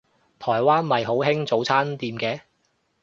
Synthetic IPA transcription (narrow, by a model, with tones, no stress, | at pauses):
t̪ʰɔː˨˩jwaː˥nmɐ˨jɦo˨˥wɦɪ˥ŋt͡so˨˥wt͡sʰaː˥nt̪iː˨˧mkɛː˨˧